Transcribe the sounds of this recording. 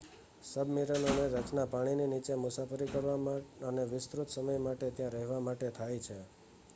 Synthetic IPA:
səbmiɾənoneɾət͡ʃnapaɽ̃ininit͡ʃemʊsafəɾikəɾʋaəneʋɪst̪ɾut̪səməjmaʈet̪jãɾəɦʋamaʈet̪ʰajt͡ʃʰe

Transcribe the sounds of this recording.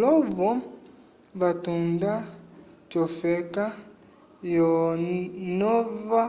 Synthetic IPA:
lɔvɔ | βatundat͡ʃɔfɛka | jɔ | nɔva

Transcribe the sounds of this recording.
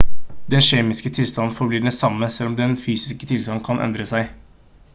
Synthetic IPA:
d̪ɛnʃeːmɪskət̪ʰɪlst̪ɑnn̩fɔɾbliːɖɛsɑmːəsɛlːɔmd̪ɛnfyːsɪskət̪ʰɪlst̪ɑnn̩kʰɑnʔɛ̰nd̪ɾəsæɪ

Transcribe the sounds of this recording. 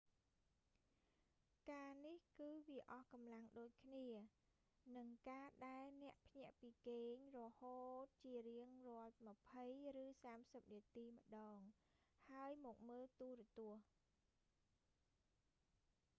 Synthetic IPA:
kaːnihkɨːʋiəʔɑhkɑmlaŋɗoːc̚kʰniə | nɨŋkaːɗaɛlnɛ̆əʔpʰɲɛ̆əʔpiːkeːɲrɔhoːt̪̚t͡ɕiəriəŋrŏət̪̚mə̆pʰəjrɨːsaːmsəp̚niət̪iːmə̆ɗɑːŋ | haəjmɔk̚məːlt̪uəɾɔ̆t̪ŭəh

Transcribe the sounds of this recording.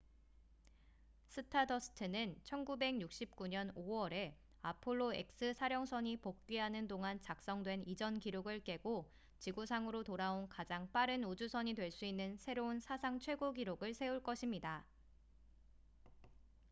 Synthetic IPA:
sʰɯtʰadʌsʰɯ̥tʰɯnɯnt͡ɕʰʌnɡube̞ɡjuk̚ɕ͈ip̚k͈uɲʌnowʌɾe̞ | apʰoɭːoe̞̰k̚s͈ɯsʰaɾjʌŋsʰʌɲipok̚k͈ɥiɦanɯndoŋant͡ɕak̚s͈ʌŋdwe̞nid͡ʑʌnkiɾjoɡɯɭk͈e̞ɡo | t͡ɕiɡusʰaŋɯɾotoɾaonkad͡ʑaŋp͈aɾɯnod͡ʑusʰʌɲidwe̞ɭs͈uinːɯnsʰe̞ɾounsʰasʰaŋt͡ɕʰwe̞ɡoɡiɾoɡɯɭsʰe̞uɭk͈ʌɕʰimɲida

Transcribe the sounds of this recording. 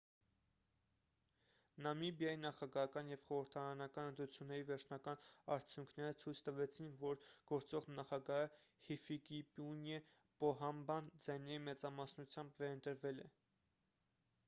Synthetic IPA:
nɑmibjɑjinɑχɑɡɑɦɑkɑnjɛvχɔɾəɾt̪ʰɑɾɑnɑkɑnənt̪ɾut͡sʰjunːɛɾivɛɾt͡ʃʰnɑkɑnɑɾt͡sʰjuŋkʰnɛɾət͡sʰujt͡sʰt̪əvɛt͡sʰinvɔɾɡ̥ɔɾt͡sɔʁnɑχɑɡɑɦəhifikipunɛ | pɔɦɑmbɑnd͡zɑjnɛɾimɛt͡sɑmɑsnut͡sʰjɑmbvɛɾənt̪əɾvɛlɛ̰

